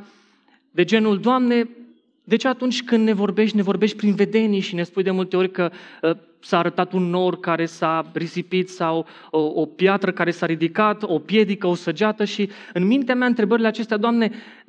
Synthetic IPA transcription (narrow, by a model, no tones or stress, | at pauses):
d̪e̞d͡ʒe̞nuld̪oamne̞ | d̪e̞t͡ʃeat̪unt͡ʃʲkɨnd̪ne̞vo̞rbe̞ʃt̪ʲne̞vo̞rbe̞ʃt̪̚ʲpɾinve̞d̪e̞niʃine̞spujd̪e̞mult̪eo̞ɾʲkə | saːɾət̪at̪unːo̞rkaɾe̞sarisipit̪saw | o̞pjat̪ɾəkaɾe̞saɾid̪ikat̪o̞pje̞d̪ikəosəd͡ʒat̪əʃiɨnmint̪eamjaɨnt̪ɾe̞bəɾileat͡ʃe̞st̪ead̪oamne̞